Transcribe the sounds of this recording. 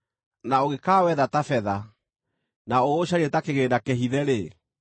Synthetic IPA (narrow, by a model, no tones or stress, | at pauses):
naoɣekaːwɛðatafɛða | naoːɕaɾiɛtakeɣeːndakɛɦiðɛɾe